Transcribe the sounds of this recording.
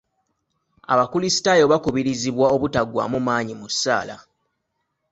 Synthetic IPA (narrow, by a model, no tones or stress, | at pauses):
a̰βakulisi̥tajo̞βakuβiɾiziβwao̞βutaɡwa̰mumaːɲimusːa̰ːla